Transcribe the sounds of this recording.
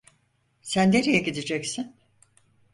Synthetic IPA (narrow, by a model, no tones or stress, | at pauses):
sænd̪eɾijɛɡid̪id͡ʒɛcsin